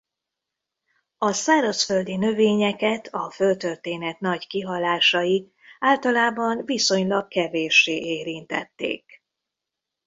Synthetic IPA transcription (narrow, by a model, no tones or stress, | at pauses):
ɒsaːɾɒsføld̪inø̞veːɲɛkɛt̪ʰɒfølt̪ø̞rt̪eːnɛt̪nɒɟkiɦɒlaːʃɒji | aːlt̪ɒlaːbɒnviso̞ɲlɒkkɛveːʃːeːʔeːɾint̪ɛ̰t̪ːḛːk